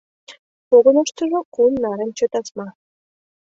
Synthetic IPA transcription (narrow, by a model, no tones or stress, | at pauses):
poɣɤ̆nɑʃt̪ɤ̆ʐŏkunːɑɾʲĕnʲt͡ɕɤ̆t̪ɑsmɑ